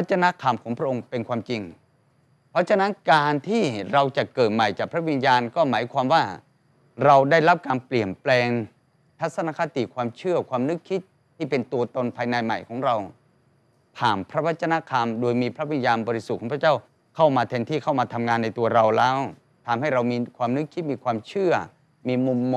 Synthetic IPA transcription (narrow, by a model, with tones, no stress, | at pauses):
a˥t̪̚t͡ɕa˧na˦˥kʰa˧mkʰɔː˩˦ŋpʰɾa˥ʔo˧ŋpe˧nkʰwaː˧mt͡ɕi˧ŋ | pʰɾɔ˦˥t͡ɕʰa˧na˦˥nkaː˧nt̪ʰiː˥˩ɾa˧wt͡ɕa˨˩kɤː˨˩t̪̚ma˨˩jt͡ɕaː˨˩pʰɾa˦˥wi˧njaː˧nkɔː˥˩maː˩˦jkʰwaː˧mwaː˥˩ | ɾa˧wdaː˥˩jɾa˦˥p̚kaː˧npli˨˩ənplɛː˧ŋ | t̪ʰa˦˥t̪̚sa˧naː˧˥kʰa˦˥t̪ḭ˨˩kʰwaː˧mt͡ɕʰɯ˥˩ɐkwaː˧mnɯ˦˥kʰːi˦˥t̪̚ʰːiː˥˩pe˧nt̪u˧ɐt̪o˧npʰaː˧jna˧jma̰˨˩jkʰɔː˩˦ŋɾa˧w | t̪ʰaː˨˩mpʰɾa˦˥wa˦˥t̪̚t͡ɕa˧na˦˥kʰa˧mdoː˧jmiː˧pʰɾa˦˥wi˧njaː˧nbɔː˧ɾi˦˥su˨˩kːɔː˩˦˥pʰa˥˩t͡ɕaː˥˩w | kʰa˥˩wmaː˧t̪ʰɛ˧nt̪ʰiː˥˩kʰa˥˩wmaː˧t̪ʰa˧mŋaː˧nːa˧jt̪u˧ɐɾa˧wlɛː˦˥w | t̪ʰaː˧mha˥˩jɾa˧wmiː˧kʰwaː˧mnɯ˦˥kʰːi˦˥t̪̚miː˧kʰwaː˧mt͡ɕʰɯ˥˩ɐ | miː˧mu˧mː˧